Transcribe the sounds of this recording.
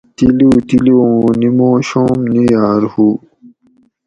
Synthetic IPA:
t̪ilut̪iliõːnimõːɕõːmnijaːɾhu

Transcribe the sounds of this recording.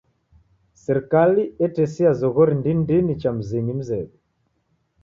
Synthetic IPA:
sɛɾikaliɛtɛsiazɔɣɔɾindindinit͡ʃam̩ziŋim̩zɛbi

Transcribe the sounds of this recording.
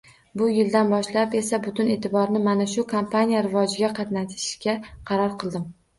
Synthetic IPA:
bʊjɪld̪anbɒʃlape̞sabʊt̪ʰʊne̞ːt̪ʰɪbɒɾnɪmanaʃʊkʰompʰanijaɾɪvɒd͡ʒɪɡʲaqʰɑt̪nat̪ʰɪ̥ʃkʲaqʰɑɾɒɾqʰɨlˠd̪ɪm

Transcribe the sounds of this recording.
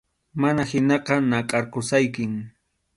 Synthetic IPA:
manahɪnɑqɑnɑqʼɑɾqʊsajkɪŋ

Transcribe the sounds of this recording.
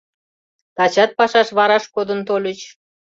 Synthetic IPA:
t̪ɑt͡ɕɑt̪̚pɑʃɑʃβɑɾɑʃkod̪ə̆nt̪olʲət͡ɕ

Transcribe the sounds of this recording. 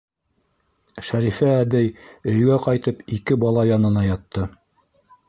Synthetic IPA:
ʃæɾifæːβɘjɵ̆j̆ɡæqɑjt̪ɤpikɘbɑlˠɑjɑnɤ̆nɑjɑt̪ːɤ

